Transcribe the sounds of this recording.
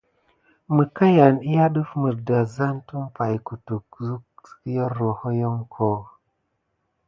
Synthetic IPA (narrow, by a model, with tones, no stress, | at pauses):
mə˨ka˦ja˨ni˦ja˦ɗə˦fmə˨ɾda˨za˦ntu˦mpa˨jku˨tu˨kzu˦k̚skjo˦ɾo˨ho˦jo˦ŋkʰo˨